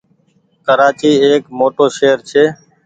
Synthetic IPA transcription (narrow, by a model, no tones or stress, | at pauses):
kəɾaːt͡ʃiːeːkmoːʈoːʃeːəɾt͡ʃʰeː